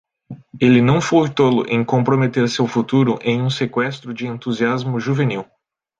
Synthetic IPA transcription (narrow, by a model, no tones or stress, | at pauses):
elɪnɐ̃w̃fojt̪olʊ̰ʔẽj̃kõmpɾomet̪eɾsewfut̪uɾʊʔẽj̃ũsekwɛst̪ɾʊd͡ʒɪẽnt̪uziazmʊʒuveniw